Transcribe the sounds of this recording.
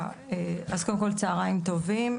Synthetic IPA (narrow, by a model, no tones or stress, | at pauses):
eazkod̪emko̞lt͡saːʁaimt̪o̞vim